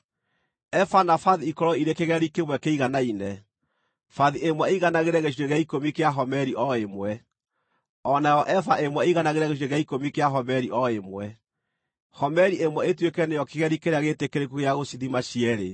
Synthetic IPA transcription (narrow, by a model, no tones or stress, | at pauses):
ɛfanafaðiikɔɾɔiɾekeɣɛɾikemwɛkeiɣanainɛ | faðiemwɛeiɣanaɣeɾɛɣeɕ̬iɾeɣeaikomikeaɦɔmɛɾiʔɔemwɛ | ɔnajɔʔɛfaʔemwɛeiɣanaɣeɾɛɣeʃ̬iɾeɣaikomikeaɦɔmɛɾiʔɔemwɛ | hɔmɛɾiemwɛetwekɛnejɔkeɣɛɾikeɾeaɣetekeɾekuɣeaɣosiðimaɕiɛɾe